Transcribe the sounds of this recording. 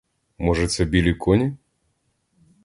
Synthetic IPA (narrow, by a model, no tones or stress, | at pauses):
mɔʐɛt̪sɛbʲilʲikʰɔnʲi